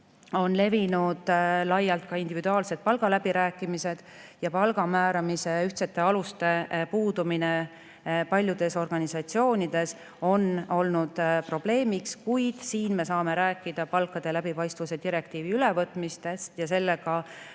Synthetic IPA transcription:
o̞nle̞vinud̪̥lɑjːɑlt̪̚kɑind̪̥ivid̪uɑːlse̞d̪̥̚pɑlɡ̥ɑlæb̥iɾæːkːˑimise̞d̪̥jɑpɑlɡ̥ɑmæːɾɑmise̞yht̪set̪ːˑe̞ɑlust̪e̞puːd̪̥umine | pɑlʲjud̪̥e̞so̞rɡ̥ɑnisɑt̪sio̞ːnid̪̥e̞s | o̞no̞lnud̪̥pro̞b̥le̞ːmikskujd̪̥siːnme̞sɑːme̞ɾæːkːˑid̪̥ɑpɑlkːˑɑd̪̥e̞læb̥ipɑjst̪vuse̞d̪̥iɾe̞kt̪iːviylɛvɤt̪ˑmist̪est̪jɑse̞lːe̞ɡ̥ɑ

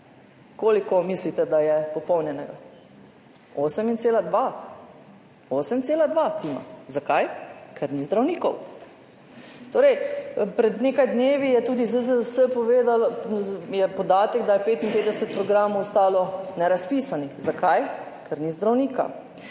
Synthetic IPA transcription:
koːlikɔmislit̪ɛd̪ajɛpɔpɔwnjɛnɛɡa | oːsɛmint̪seːlad̪ʋa | oːsɛmt̪seːlad̪ʋat̪iːma̰zakajkʰaɾnizd̪ɾawniːkɔw | t̪oːɾɛjpɾɛd̪neːkajd̪neːʋijɛt̪uːd̪izəzəsəpɔʋeːd̪aljɛpɔd̪aːt̪ɛɡd̪ajɛpeːt̪inpeːt̪d̪ɛsɛt̪̚pɾɔɡɾaːmɔwst̪aːlɔnɛɾaspiːsanixzakaj | kʰaɾnizd̪ɾawniːka̰

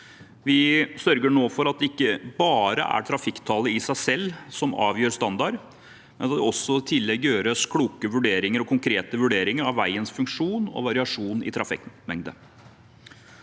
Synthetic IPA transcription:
ʋɪsœɾɡəɳoːfɔɾɑt̪̚d̪ɛɪkːəbɑːɾə̰ʔæ̰ʈʰɾɑfɪkt̪ʰɑləɪsæɪsɛlːsɔmɑ̰ːʋjøːɾst̪ɑnd̪ɑɾ | mɛnɑt̪d̪ɛɔsːɔɪt̪ʰɪlːɛɡjøːɾəskʰluːkəʋʉɖeːɾɪŋəɾɔkʰʊŋkʰɾeːt̪əʋʉɖeːɾɪŋəɾɑʋːæɪənsfʉŋkʂuːnɔ̰ʋɑɾɪɑʂuːnɪ̰t̪ʰɾɑfɪ̰kmɛŋd̪ə

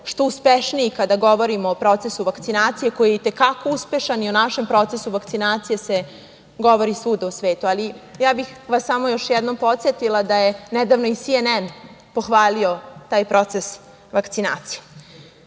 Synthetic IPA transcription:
ʃt̪o̞uspeʃniːkad̪aɡo̞ʋo̞ɾimoːpɾo̞t̪se̞suʋakt̪sinaːt̪sije̞ko̞jijet̪ekako̞uspe̞ʃanionaʃe̞mpɾo̞t̪sesuʋakt̪sinaːt̪sijese | ɡo̞ʋo̞ɾisuːd̪ausʋeːt̪ualijaːbixʋasːamo̞jo̞ʃjɛd̪nompo̞t̪sjet̪ilˠad̪ajenɛd̪aʋno̞isienɛn | po̞xʋaːlio̞t̪aːjpɾo̞t̪ses | ʋakt̪sinaːt̪sije

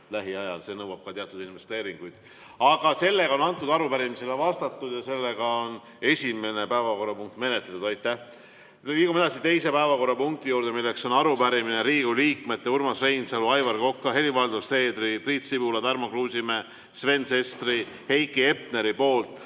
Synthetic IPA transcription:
læɦiɑjɑlse̞ːnɤwɑb̥̚kɑt̪iɑt̪ud̪̥inve̞st̪e̞ːɾiŋɡ̥ujd̪̥ | ɑɡ̥ɑse̞lːe̞ɡ̥ɑo̞nɑnt̪ːˑud̪ɑɾupæɾimiselɑvɑst̪ɑt̪ːud̪̥jɑse̞lːeɡ̥ɑon | e̞sʲime̞ne̞pæevɑko̞rːɑpuŋk̚t̪me̞ne̞t̪let̪ud̪ɑjt̪ːæh | iːkume̥ɑsit̪e̞jse̞pæevɑko̞rːɑpuŋk̚t̪ijuːɾd̪e̞milːe̞kso̞nɑɾupæɾimineɾiːɡ̥uliːkme̞t̪ːeuɾmɑsrejnsɑluɑjvɑrko̞kːɑɦe̞livɑld̪use̞ːd̪ripriːt̪sipuːlɑt̪ɑrmokruːsime̞ | sve̞nse̞st̪ri | he̞jkːˑie̞pne̞ɾipo̞ːlt̪ˑ

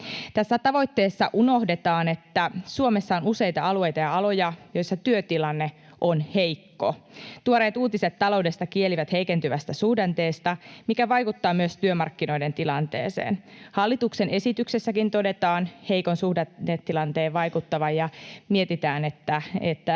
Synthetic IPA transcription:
t̪æsːæt̪ɑʋo̞jt̪ːe̞ːsːɑʔuno̞hdet̪ɑːne̞t̪ːæsuome̞sːɑo̞nuse̞jt̪ɑɑlue̞jt̪ɑjɑɑlo̞jɑjo̞jsːɑt̪yøt̪ilɑnːe̞ | ʔonhe̞jkːo̰t̪uoɾeːt̪uːt̪iset̪ːɑlo̞wde̞st̪ɑkieliʋæt̪he̞ikent̪yʋæst̪æsuhdent̪e̞ːst̪ɑmikæʋɑjkut̪ːɑːmyøst̪yømɑrkːino̞jde̞nt̪ilɑnt̪ḛːsḛːnhɑlːit̪uksene̞sit̪yksesːækint̪o̞de̞t̪ɑːnhe̞ikonsuhdeet̪ːilɑnt̪eːʋʋɑjkut̪ːɑʋɑjjɑmiet̪it̪æːne̞t̪ːæḛt̪ːæ

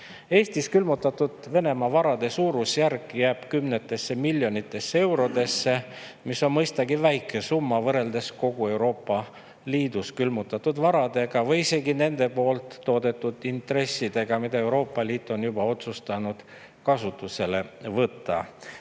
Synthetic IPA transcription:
e̞ːst̪iskylmut̪ːˑɑt̪ːud̪̥ve̞ne̞mɑvɑɾɑd̪̥e̞suːɾusjærkːjæːb̥kymne̞t̪ːˑe̞sːe̞milʲːjo̞nit̪ːˑe̞sːee̞wɾo̞d̪e̞sːe̞misːo̞nmɤjst̪ɑɡivæjkːˑesumːɑvɤɾe̞ld̪̥e̞sko̞ɡue̞wɾo̞ːpːˑɑ | liːd̪uskylmut̪ːˑɑt̪ːud̪vɑɾɑd̪̥e̞ɡ̥ɑvɤjise̞ɡine̞nd̪̥e̞po̞ːlt̪ːo̞ːd̪e̞t̪ːˑud̪int̪re̞sːid̪̥e̞ɡ̥ɑmid̪̥ɑe̞wɾo̞ːpːˑɑliːt̪ːˑo̞njubɑo̞t̪sust̪ɑnud̪̥ | kɑsut̪ːˑuse̞le̞vɤt̪ˑːɑ̰

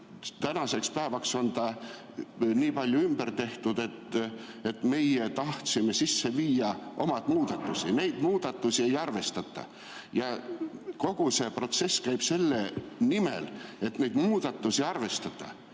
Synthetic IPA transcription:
t̪ænɑse̞kspæːvɑkso̞nt̪ɑ | niːpɑlʲjuymb̥ert̪e̞ht̪ud̪e̞t̪ː | e̞t̪me̞jet̪ɑht̪sime̞sisːe̞viːjɑʔo̞mɑd̪̥muːd̪̥ɑt̪ːˑusine̞jd̪̥muːd̪̥ɑt̪ːˑusie̞jɑrve̞st̪ɑt̪ːˑɑ̰ | jɑko̞ɡ̥use̞pro̞t̪se̞sːkæjb̥se̞lːe̞nimḛle̞t̪nejd̪muːd̪̥ɑt̪ːˑusiɑrve̞st̪ɑt̪ːˑɑ̰

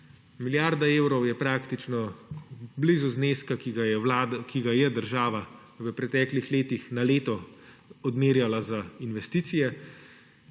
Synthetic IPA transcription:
miljaɾd̪aeːwɾɔwjɛpɾaːkt̪it͡ʃnɔ | blizuzneːskakiɡjɛlad̪kiɡajɛd̪əɾʒaːʋa | ʋəpɾɛt̪ɛːklixleːt̪ixnaleːt̪ɔɔd̪meːɾjalazainʋɛst̪iːt̪sijɛ

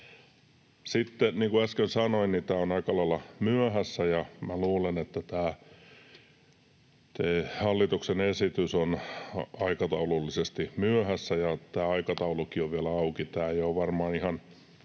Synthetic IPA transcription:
sit̪ːeniːŋkuæskensɑnoinnit̪æːonɑikɑlɑilːɑmyøhæsːæjɑmæluːlenet̪ːæt̪æː | t̪ehɑlːit̪uksenesit̪ysonɑikɑt̪ɑululːisest̪imyøhæsːæjɑt̪æːɑikɑt̪ɑulukioʋʋiælæɑukit̪æːejoʋʋɑrmɑːnihɑn

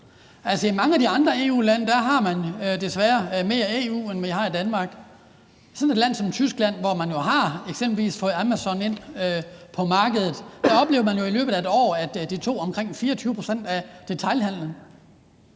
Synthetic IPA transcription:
ælsəimɑ̈ŋəæd̥iɑ̈nd̥ʁɐe̝̰ːṵːlænəd̥æɦɑ̈mænd̥e̝sʋæːɐme̝ːɐe̝ṵːenmejihɑ̈id̥ænmɑ̈ːɡ̥ | sɒ̽ne̝d̥læn̰sɒ̽mt͡sʰysɡ̥læn̰ʋɒmænjo̝ɦɑ̈eɡ̥semb̥l̩ʋḭːsfɔ̽ːð̩ˠæmæsɒ̽ne̝n̰øpʰɒ̽mɑ̈ːɡ̥əð̞ˠð̩ˠd̥æɒ̽b̥le̝ːʊɐmænjoilø̰ːb̥ð̩ˠæe̝d̥ɒ̰ːæd̥d̥it͡sʰo̝̰ːɒ̽mkʰʁeŋ̰fiːɐɒt͡sʰyːʊəpʰʁo̝sen̰d̥æd̥e̝t͡sʰɑ̈lhæn̰lən

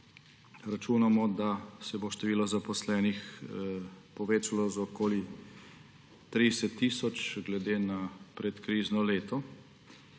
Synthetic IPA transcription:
ɾat͡ʃuːnamɔd̪asɛboʃt̪ɛʋiːlɔzapɔslɛːnix | pɔʋeːt͡ʃalɔzɔkoːli | t̪ɾidɛsɛt̪ːiːsɔt͡ʃɡlɛd̪eːnapɾɛt̪kɾiːznɔleːt̪ɔ

